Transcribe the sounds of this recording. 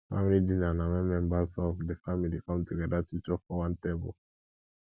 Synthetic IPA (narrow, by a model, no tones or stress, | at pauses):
fa̰milidĩnanawɛ̃mɛ̃mbasɔfdefamilikʌ̃mtuɡɛdatit͡ʃɔfɔwãntebəl